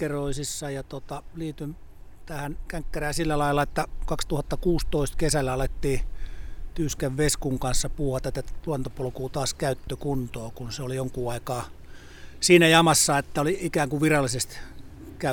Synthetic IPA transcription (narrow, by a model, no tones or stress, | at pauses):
eroisisːɑjɑt̪ot̪ɑliːt̪yn | t̪æhænkæŋkːæræhːsilːælɑilːɑet̪ːækɑkst̪uhɑt̪ːɑkuːst̪oist̪kesælːæɑlet̪ːiː | t̪yːskæʋʋeskuŋkɑnsːɑpuːhɑt̪æt̪ːæluɑnt̪opolkuːt̪ɑːskæyt̪ːøkunt̪oːkunseolijoŋkuːɑikɑː | siːnæjɑmɑsːɑet̪ːæoliikæːŋkuʋirɑlːˑisest̪ | kæ